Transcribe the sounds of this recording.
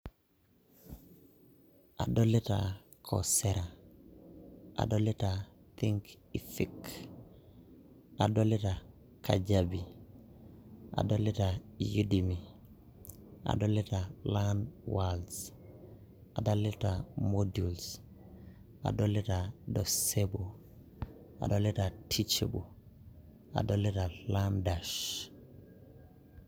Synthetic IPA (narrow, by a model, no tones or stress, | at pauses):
a̰dolita̰ | kʰo̰seɾa | ʔa̰dolita | t̪iŋk | ifik | a̰dolita | kʰaɟabi | a̰dolitajudimi | a̰dolitalanwals | adalitamoduls | a̰dolitadosebo | a̰dolitatʰit͡ʃebo | a̰doletalandaʃ